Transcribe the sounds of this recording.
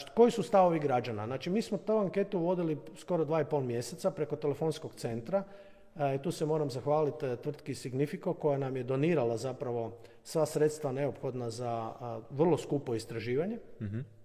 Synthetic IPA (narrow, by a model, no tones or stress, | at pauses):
ko̞jisust̪aʋo̞ʋiɡɾad͡ʒanaznaːt͡ʃimiːsmot̪oaŋke̞t̪uʋo̞d̪ilisko̞ɾod̪ʋaːipo̞lˠmje̞se̞t̪sapɾe̞ko̞t̪ele̞fo̞nsko̞kt̪se̞nt̪ɾa | it̪uːsemo̞ːɾamzaxʋaːlit̪t̪ːʋr̩t̪kisiɡnifikoko̞janamje̞d̪o̞niːɾalazapɾaʋo̞ | sʋasɾet̪st̪ʋane̞opxo̞d̪nazaʋr̩lˠo̞skupo̞ist̪ɾaʒiːʋaɲe̞